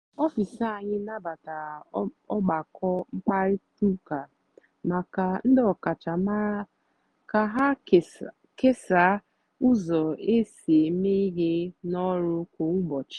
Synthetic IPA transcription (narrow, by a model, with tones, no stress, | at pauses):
ɔ˦fi˨sa˦˨a˨ɲɪ˦na˦ba˨ta˨ | ɔ˦ɡ͡ba˨kɔ˦ŋ͡m̩˦k͡pa˦ɾɪ˦tu˦ka˨ | ma˨ka˨n̩˦dɔ˨ka˨t͡ʃa˨ma˦ɾa˦ | ka˨ɦa˦ | ke˦sa˨˦ | u˦zɔ˨e˦si˨e˨me˦i˦ɡe˦nɔ˦ɾʊ˦kʷo˨ŋu˦bɔ˨t͡ʃɪ̥˨